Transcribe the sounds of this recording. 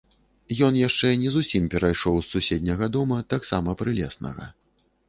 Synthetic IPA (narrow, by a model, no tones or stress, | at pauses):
jɔnjaʂt͡ʂɛnʲɛzusʲimpʲɛɾajʂɔwsːusʲed̪ʲnʲɐɣɐd̪ɔmɐt̪aksamɐpɾɨlʲɛ̰snɐ̰ɣɐ̰